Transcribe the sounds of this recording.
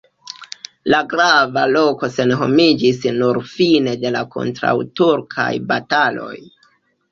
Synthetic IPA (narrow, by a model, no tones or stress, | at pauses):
laɡɾavalo̞ko̞se̞nɦo̞̰mid͡ʒisnuɾfine̞de̞lakʰo̞̰ntɾa̰wtuɾkʰa̰jbatalo̞̰j